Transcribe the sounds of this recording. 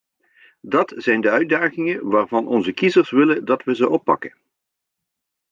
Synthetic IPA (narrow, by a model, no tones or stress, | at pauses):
dɑtz̥ɛjndəœɥ̚daːχɪŋənʋaːrvɑnʔɔnzəkizərsʋɪləndɑtʋəzəʔɔpːɑ̰kən